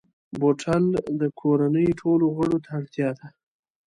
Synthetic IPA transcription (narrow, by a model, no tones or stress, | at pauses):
boʈʰald̪əkʰoɾanəjʈʰoloɣəɽot̪ʰaɽt̪jɑd̪a